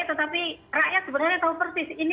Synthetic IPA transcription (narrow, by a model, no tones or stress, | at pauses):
t̪ət̪apirajat̪səbəɾaɲat̪aupərsɪsin